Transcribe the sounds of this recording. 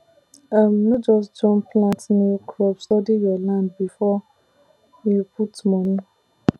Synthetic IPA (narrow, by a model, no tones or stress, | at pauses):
amnʊ̃d͡ʒɔs̬dɔ̃mpʰlãtnĩkʰɾɔpsɔdɪjɔlãnd̚bifɔ | jupʰutmɔ̃nĩ